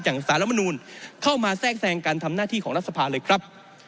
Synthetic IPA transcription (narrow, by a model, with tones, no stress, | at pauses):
t͡ɕaː˨˩ksaː˩˦ɾa˦˥pma˧nuː˧nkʰa˥˩wmaː˧sɛː˥˩k̚sɛː˧ŋkaː˧nt̪ʰa˧mnaː˥˩t̪ʰiː˥˩ɔː˩˦ŋɾa˥t̪̚sa˧pʰaː˧lɤː˧jkʰɾa˦˥p̚